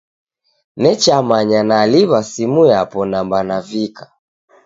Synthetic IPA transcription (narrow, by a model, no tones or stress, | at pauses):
nɛt͡ʃamaɲanaliβasimujapɔnambanavikḁ